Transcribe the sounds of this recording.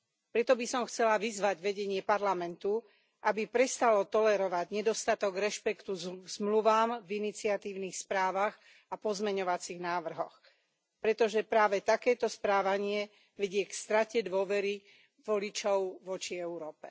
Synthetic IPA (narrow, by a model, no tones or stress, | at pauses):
pɾɛt̪ɔbisɔmxt͡sɛlaʋizʋaɟʋɛɟɛɲɪɛpaɾlamɛnt̪u | ʔabipɾɛst̪alɔt̪ɔlɛɾɔʋaɟɲɛd̪ɔst̪at̪ɔɡɾɛʃpɛkt̪uzmluʋaːmvinit͡siat̪iːʊniːxspɾaːʋaɣ | apɔzmɛɲɔʋat͡siɣnaːʋr̩ɦɔx | pɾɛt̪ɔʒɛpɾaːʋɛt̪akɛːt̪ɔspɾaːʋaɲɪɛ | ʋɛɟɪɛkst̪ɾacɛd̪ʋʊɔʋɛɾi | ʋɔlit͡ʃɔʊʋɔt͡ʃiɛuɾɔːpɛ̰